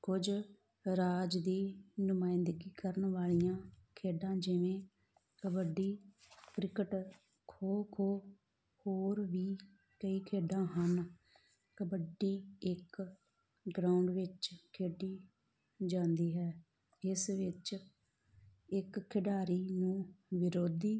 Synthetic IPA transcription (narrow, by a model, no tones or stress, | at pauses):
kʊd͡ʒ | ɾaːd͡ʒd̪iːnʊmãːɪnd̪ɡiːkəɾənʋaːɭijãːkʰeːɖãːd͡ʒɪʋẽː | kəbəɖiː | kɾɪkəʈ | kʰoːkʰoː | hoːɾʋiː | kəiːkʰeːɖãːɦən | kəbəɖiːɪk | ɡɾaːʊɳɖʋɪt͡ʃkʰeːɖiː | d͡ʒãːnd̪iːɦɛː | ɪsʋɪt͡ʃ | ɪkʰːɪɖaːɾiːnũːʋɪɾoːd̪iː